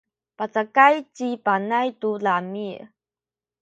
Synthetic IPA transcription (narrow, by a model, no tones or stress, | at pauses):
pat͡sakajt͡ʃipanajtulamiʔ